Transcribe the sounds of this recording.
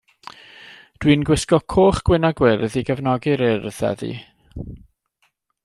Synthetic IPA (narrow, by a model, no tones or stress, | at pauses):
d̥winɡwɪskɔkʰoːχɡ̥wɪnaɡwɪrðiɡəvnɔɡɪɾɪrðɛ̰ðḭ